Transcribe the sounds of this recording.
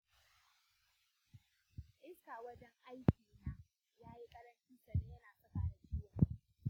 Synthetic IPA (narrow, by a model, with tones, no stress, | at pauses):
ʔɪ˦saː˨wɐ˦d͡ʒɛ˦ŋʔa˦jkʲiː˨na˦ | jaː˦ji˦kʼɐ˦ɽɐ˦nt͡ʃiː˦sɐ˨ne˦jɐ˦naː˨sʼɐ˦kaː˦˨da˨d͡ʒɪ˦wa˨˦